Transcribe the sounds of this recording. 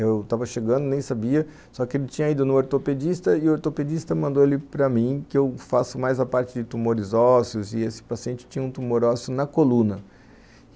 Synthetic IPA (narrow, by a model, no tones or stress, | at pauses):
ewt̪avɐʃeɡɐ̃nd̪ʊnẽj̃sabiɐ | sɔkɪelɪt͡ʃĩɲɐĩd̪ʊnʊ̃oɾt̪oped͡ʒist̪ɐɪʊoɾt̪oped͡ʒist̪ɐmɐ̃nd̪oelɪpɾɐmĩkɪewfasʊmajzɐpaɾt͡ʃɪd͡ʒɪt̪umoɾɪzɔsiʊzɪesɪ̥pasiẽnt͡ʃɪ̥t͡ʃĩɲɐũt̪umoɾɔsiʊnɐkolũnɐ